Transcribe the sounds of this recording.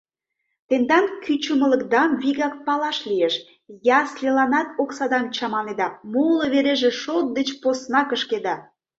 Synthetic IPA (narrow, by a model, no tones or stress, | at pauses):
t̪end̪ɑnkyt͡ɕəmələ̆kd̪ɑmβiɣɑk̚pɑlɑʃlieʃ | jɑslelɑnɑt̪̚oksɑd̪ɑmt͡ɕɑmɑned̪ɑmoloβeɾeʒeʃot̪̚d̪et͡ɕposnɑkəʃked̪ɑ